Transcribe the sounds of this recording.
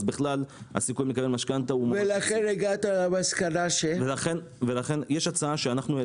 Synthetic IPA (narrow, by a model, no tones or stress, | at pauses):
zbiχlala̰sikujmekabelmaʃkant̪aumvelaχeneɡat̪amaskanaʃevelaχen | velaχe̞njeʃat͡saaʃeanaχnue